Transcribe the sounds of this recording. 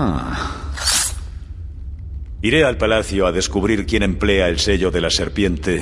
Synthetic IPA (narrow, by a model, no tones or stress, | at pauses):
a | iɾe̞alpalaθjoaðe̞skuβ̞ɾiɾkje̞nẽmple̞aelse̞ʎoðe̞lase̞ɾpje̞nt̪e̞